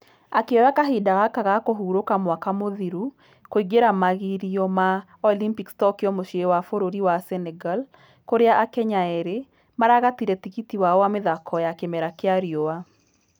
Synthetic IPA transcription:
akeɔjakaɦidaɣakaɣakoɦuɾokamwakamoðiɾu | koiɡeɾamaɣiɾiɔma | ɔlimpikstɔkjɔmoʃiewafoɾoɾiwasɛnɛɡal | koɾeaʔakɛɲaɛɾe | maɾaɣatiɾɛtikitiwaɔwameðakʰɔjakemɛɾakeaɾiowa

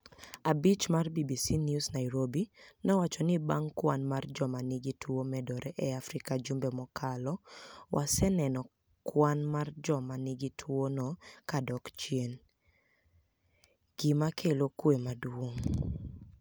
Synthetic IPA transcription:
abit͡ʃmarbibisinjusnaiɾobinɔwat͡ʃɔnɪbaŋkwanmard͡ʒɔmanɪɡitʰwomɛdɔɾɛʔɛafɾɪkad͡ʒumbemɔkʰalɔwʔasɛnɛnɔ | kwanmard͡ʒɔmanɪɡitʰwonɔkadɔkt͡ʃjen | ɡ̥ɪmakʰelokwemadwoŋ

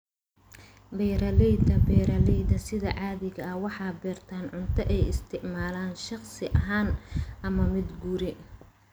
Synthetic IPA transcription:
bɛjɾɐlɛjd̪ɐbɛːɾɐlɛjd̪ɐsɪðɐʕɑːðɪɣɐɐhwɑħɑːbɛːrt̪ʰaːnʕʊnt̪ʰɐʔɛjɪst̪ʰɪʕmaːlaːnʃɑχsɪʔɐɦaːnʔɐmɐmɪd̪ɡuːɾɪ

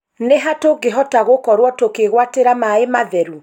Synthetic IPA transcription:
neɦatoɡeɦɔtaɣokɔɾwɔtokeɣwateɾamaemaðɛɾu

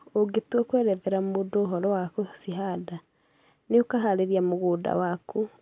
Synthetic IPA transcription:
oɡetwɔkwɛːɾɛðɛɾamoːdoːɦɔɾɔwakosiɦada | neokaɦaɾeɾiamoɣoːda̰waku

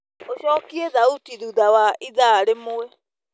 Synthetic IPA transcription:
oʃɔːkiɛðautiðuðawaʔiðaɾemoɛ

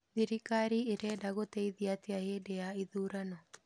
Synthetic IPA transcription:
ðiɾikaɾieɾɛdaɣotɛiðiateahedeaiðuːɾanɔ

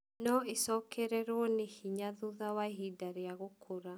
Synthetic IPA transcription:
nɔesɔkʰɛɾɛɾwɔnehiɲaðuðawaeɦidaɾeaɣokʰoɾa

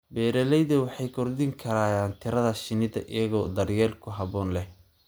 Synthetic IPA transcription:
bɛːɾɛlɛjðɐwɑħɑjkʰɔrd̪ɪŋkʰɐɾaːjaːnt̪ʰɪɾɐðɐʃɪnɪðɐ̰ʔɪ̰jɐɣɔːd̪ɐrjɛːlkʰʊɦɐβɔːnlɛh

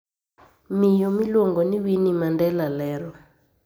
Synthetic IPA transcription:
mijɔmilɔŋɡɔniwinimandɛlalɛːɾɔ

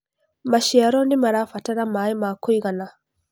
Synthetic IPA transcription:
maʃiaɾɔnimaɾafataɾamaimakɔjɡana

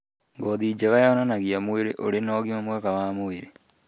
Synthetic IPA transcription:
ŋɡɔðid͡ʒaɣajaɔnanaɣiamoeɾeʔo̰ɾenɔːɣimamuɣakaβamoeɾe

